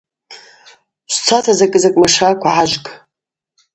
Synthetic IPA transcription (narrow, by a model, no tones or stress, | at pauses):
ɕʷt͡sʰatʰazakʼɨzakʼmaʂakʷʰaʕaʒʷkʼ